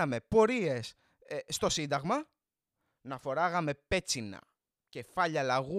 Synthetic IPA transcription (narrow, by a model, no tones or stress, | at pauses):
ɐmepo̞ɾie̞s | sːt̪o̞sind̪ɐɣmɐ | nɐfo̞ɾɐɣɐme̞pe̞t͡sinɐ̰ | ce̞fɐʎɐlɐɣu